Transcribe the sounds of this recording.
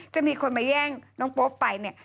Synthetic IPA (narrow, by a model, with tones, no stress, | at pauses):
t͡ɕa˨˩ʔmiː˧kʰo˧nmaː˧jɛː˥˩ŋnɔː˦˥ŋpoː˦˥pːa˧jni˥˩ɐ